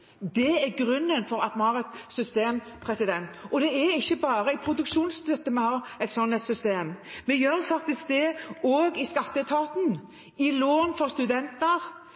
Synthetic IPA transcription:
d̪ɛæɾɡɾʉnːənfɔɾɑt̪mɑnhɑːɾɛt̪sʏst̪eːm | pʰɾɛsɪd̪ɛnt̪ʔɔd̪ɛæɾɪçːəbɑːɾəɪpʰɾʊd̪ʉkʂuːnst̪œt̪ːəmɛhɑːɛt̪sɔnːɛt̪sʏst̪eːmmɛjøːɾfɑk̚t̪ɪsk̚d̪ɛoːɡɪskɑt̪ːət̪ʰɑːt̪n̩ | ɪloːnfɔɾst̪ʉd̪ɛnt̪əɾ

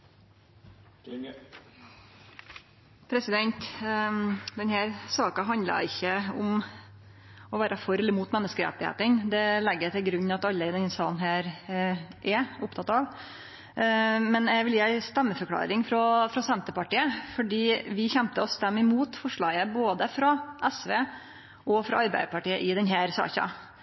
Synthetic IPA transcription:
pʰɾɛsɪd̪ɛnt̪ | d̪ɛnhæːɾsɑːkɑɦɑnd̪lɑ̰ɪçːəʊm | ɔʋæːɾʔɑfɔɾɛlːəɾmuːt̪mɛnːəskəɾɛ̰t̪ːɪhḛːt̪ənd̪ɛlɛɡːət̪ɪlɡɾʉɲːɑt̪ɑlːəɪd̪ɛnhsɑːənɦæːɾ | ʔɛʊpt̪ʰɑt̪ɑʋ | mɛnɛɡʋɪljæɪst̪ɛmːəfœɾkʰlɑ̰ːɾɪŋfɾɔfɾɑsɛnt̪əpɑʈiːəfɔɖiːʋɪçɛmt̪əɔst̪ɛmːɪmuːt̪fɔʂɭɑːɡəboːd̪əfɾɑʔɛsʋeː | ʔɔfɾɑ̰ɑɾbæɪd̪əpɑʈiːəʔɪd̪ɛnɦæːɾsɑ̰ːçɑ̰

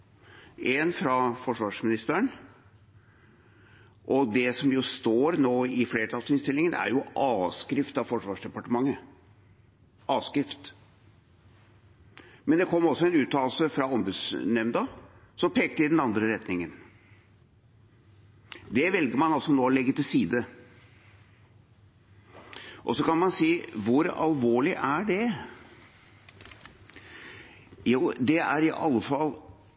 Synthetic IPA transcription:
ʔɛnfɾɑfɔʂʋɑːʂmɪnɪst̪əɳ | ʔɔd̪ɛsɔmjʊst̪oːɾnoːɪfleːʈ̪ʰɑlsɪnst̪ɪlːɪŋənæ̰ɾjʊʔɑːskɾɪft̪ɑʋfɔʂʋɑːʂɖ̪ɛpɑʈəmɑŋːə | ɑːskɾɪft̪ | mɛnd̪ɛkʰɔmːɔsːɔɛnʉːt̪ːɑːlsəfɾɑɔmbʉːd̪snɛmnd̪ə | sɔmpʰeːk̚t̪əɪd̪ɛnɑnd̪ɾəɾɛt̪nɪŋən | d̪ɛʋɛlɡəɾmɑnɑlsɔnoːlɛɡːət̪ɪlsiːd̪ə | ʔɔsɔkɑnmɑnsiːʋʊɾɑ̰lʋoːɭɪʔæɖɛ | juːd̪ɛæ̰ɾɪʔɑ̰lːəfɑlː

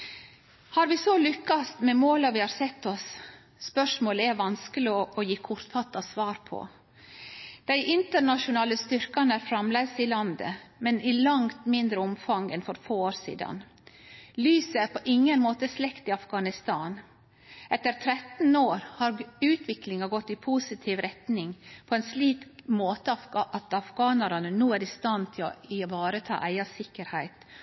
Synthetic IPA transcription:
hɑːɾʋɪsɔlʏkːɑst̪mɛmoːlɑʋɪhɑːɾsɛt̪ːɔsː | pœʂmoːləæɾʋɑnskəlɪɔɔjiːkʰʊɾt̪fɑt̪ːɑsʋɑːɾpʰɔ̰ | d̪̥æɪʔɪnt̪əɾɳɑʃʊnɑːləst̪ʏɾkɑnæːɾfɾɑmlesɪlɑnd̪ə̰mɛnʔɪlɑŋt̪mɪnd̪ɾəʊmfɑŋɛnfɔɾfoːoːɾsḭːd̪ɑ̰n | lyːsəæɾpʰɔʔɪŋːənmoːt̪əslɛkt̪ɪɑfɡɑnɪst̪ɑːn | ʔɛt̪əɾt̪ʰɾɛt̪n̩oːɾhɑɾʉːt̪ʰʋɪklɪŋɑɡɔt̪ːɪpʰusɪt̪ʰiːʋɾɛt̪nɪŋpʰɔɛnsliːt̪moːt̪əɑfɑʔɑt̪ɑfɡɑːnɑɾɑnənuːæɾɪst̪ɑnt̪ʰɪlɔ̰ɪʋɑːɾət̪ʰɑ̰ːʔæɪɑsɪkːəɾhæɪt̪

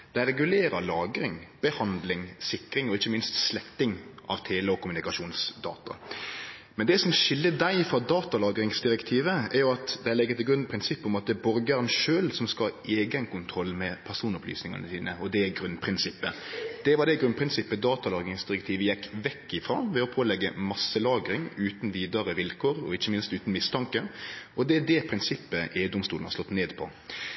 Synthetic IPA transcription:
d̪̥æɪɾɛɡʉleːɾəlɑːɡɾɪŋb̥əhɑnd̪lɪŋsɪkːɾɪŋɔɪçːəmɪnst̪slɛkt̪ːɪŋʔɑ̰ʋt̪ʰeːləɔkʊmʉnɪkɑʂuːnsd̪ɑ̰ːt̪ɑ | mɛnd̪ɛsɔmʃɪlːəd̪æɪfɾɑd̪ɑːt̪ɑlɑːɡɾɪŋsd̪ɪɾɛkt̪ʰiːʋəæɾjʊɑt̪d̪ɛlɛɡːət̪ɪlɡɾʉnpʰɾɪnsɪpːɔmɑt̪̚d̪ɛbɔɾɡəæɾnʃøːlsɔmskɑʔeːɡænkʊnt̪ʰɾɔlːmɛpʰæʁsuːnɔply̰ːsnɪŋə̰nəsiːnəɔd̪ɛɡɾʉnpʰɾɪnsɪpːəd̪̥ɛʋɑd̪ɛɡɾʉnpʰɾɪnsɪpːəd̪ɑːt̪ɑlɑːɡɾɪŋsd̪ɪɾɛkt̪ʰiːʋəjɛkːʋɛkːɪfɾɑ̰ːʋɛɔpʰoːlɛɡːəmɑsːəlɑːɡɾɪŋʉːt̪nʋiːd̪əɾəʋɪlkʰoːɾɔ̰ɪçːəmɪnst̪ʉːt̪n̩mɪst̪ʰɑŋkəɔd̪ɛæd̪ɛpʰɾɪnsɪpːəʔeːd̪ʊmst̪ṵːn̩hɑ̰slɔt̪ːneːd̪pʰɔ̰

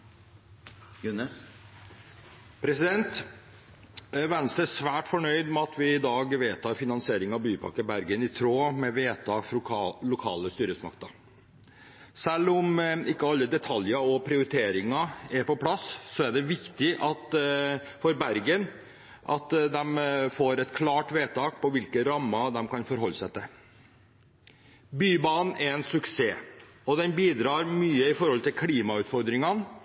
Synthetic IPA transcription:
jʉnəs | pʰɾɛsɪd̪ɛnt̪ | ʋɛnsəsʋæːʈfɔɳœʏd̪mɛɑt̪ʰʋɪɪd̪ɑːɡʋeːt̪ʰɑːɾfɪnɑnsɪeːɾɪŋɑʋbyːpʰɑ̰kːəbæɾɡənɪt̪ʰɾoːmɛʋeːt̪ʰɑːɡlʊkʰɑ̰ːləst̪yːɾəsmɑ̰kt̪ə | sɛlːʊmɪkːəɑlːəd̪ɛt̪ʰɑljəɾɔpʰɾɪʊɾɪt̪ʰeːɾɪŋɑæɾpɔpʰlɑssɔæɖɛʋɪkt̪ɪʔɑt̪ | fɔɾbæɾɡən | ʔɑt̪d̪ɛmfoːɾɛt̪kʰlɑːʈʋeːt̪ʰɑːk̚pʰɔʋɪlkəɾɑmːɑd̪ɛmkʰɑnfɔɾɦɔlːsɛt̪ʰːə | byːbɑːnn̩ʔɛɾɛnsʉkseː | ɔd̪ɛnbiːd̪ɾɑːɾmyːəɪfɔɾhɔlt̪ɪlkʰliːmɑʉːt̪fɔɾd̪ɾɪŋɑn

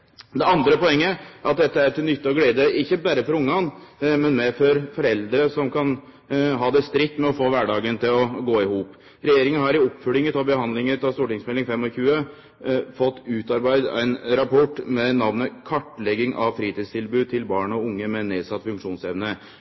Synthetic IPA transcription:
d̪ɛɑnd̪ɾəpɔɛŋːəɑt̪̚d̪ɛt̪ːəæɾʈ̪ɪlnʏt̪ːəɔɡleːd̪əʔɪçːəbæːɾəfɔɾʊŋːɑnmɛnmɛfɔɾfɔɾɛld̪ɾəsɔmkʰɑn | ɦɑːd̪ɛst̪ɾɪkt̪ːmɛɔfoːʋæɖɑːɡənt̪ʰɪlɔɡoːɪhuːp | ɾɛjeːɾɪŋənhɑɾɪɔpːfœlɪŋət̪ʰɑbəɦɑnd̪lɪŋət̪ɑst̪uːʈɪŋsmɛlɪŋfɛmːɔçʉːə | fɔt̪ːʉːt̪ɑɾbæɪd̪æ̰ɪnɾɑpʰɔʈːmɛnɑʋnəkʰɑʈːlɛɡɪŋʔɑ̰ʋfɾiːt̪iːst̪ʰɪlbʉːt̪ʰɪlbɑːɳəɔʊŋːəmɛneːsɑt̪ːfʉŋkʂuːnsɛʋnə

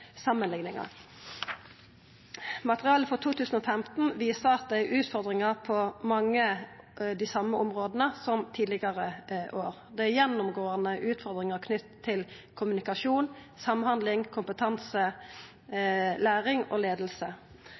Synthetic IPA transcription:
sɑmːənlɪŋnɪŋɑ̰ | mɑt̪əʁɪɑːləfɔʁt̪ʰuːt̪ʉːsn̩oːfɛmt̪n̩ʋiːsəʁɑt̪̚d̪ɛæʔʉːt̪fɔʁd̪ʁɪŋɑʁpʰɔmɑŋːəd̪isɑmːəɔmʁoːd̪ənəsɔmt̪ʰiːd̪lɪɡɑʁəʔoːʁd̪ɛæjɛnːʊmɡoːɑnəʔʉːt̪fɔʁd̪ʁɪŋəʁkʰnʏt̪ʰːɪl | kʰʊmʉnɪkɑʂuːn | sɑmhɑnd̪lɪŋkʰʊmpət̪ʰɑnsə | læːʁɪŋoːleːd̪əl̩sə

